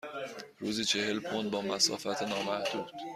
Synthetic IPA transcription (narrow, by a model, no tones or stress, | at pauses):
ɾuːziːt͡ʃʰe̞he̞lpʰond̪̚bɒːmæsɒ̰ːfæt̪ʰenɒːmæhd̪̥uːd̪̥